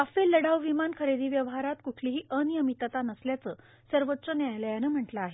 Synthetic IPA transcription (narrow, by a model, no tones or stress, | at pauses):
afelːəɽaʋʋimankʰəɾed̪iːʋjəʋɦaɾat̪kukʰliɦiːʔənijəmit̪at̪anəsljat͡səː | səɾʋət̪ːt͡sənjajləjanəm̤əʈlaːɦe